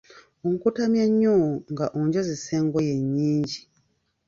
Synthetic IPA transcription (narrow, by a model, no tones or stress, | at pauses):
oŋkutamjaɲːoŋɡaʔoɲɟoziseːŋɡojeɲːiːɲɟi